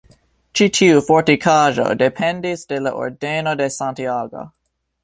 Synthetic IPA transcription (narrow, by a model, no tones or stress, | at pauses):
t͡ʃitʰiufoɹtikʰaʒo̰depʰɛ̃ndisd̥elaʔo̰ɾdenodesãntiaːɡo̰